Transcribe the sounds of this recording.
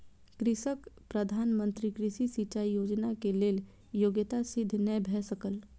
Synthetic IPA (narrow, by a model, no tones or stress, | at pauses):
kɾɪʃəkpɾɐd̪ʱaːnmə̃nt̪ɾikɾɪʃisit͡ʃaːijoːd͡ʒnakeleːl | joːɡjət̪asɪd̪ʱːnɛbʱɛːsəkəl